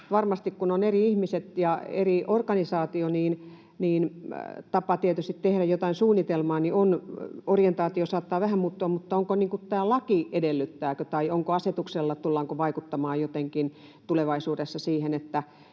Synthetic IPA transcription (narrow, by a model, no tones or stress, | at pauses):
ʋɑrmɑst̪ikkunoneriihmiset̪jɑḛriorkɑnisɑːt̪ioniːn | niːnt̪ɑpɑt̪iet̪yst̪it̪tehɾæjot̪ɑinsuːnːit̪elmɑːnionorient̪ɑːt̪iosɑːt̪ːɑːʋæhæmmuːt̪ːuɑmmut̪ːɑoŋkoniːŋkut̪t̪æːlɑkiedelːyt̪ːæːkøt̪ɑioŋkoɑset̪ukselːɑt̪ulːɑŋkoʋɑikut̪ːɑmɑːjjot̪eŋkin | t̪uleʋɑisuːdesːɑsiːhenet̪ːæ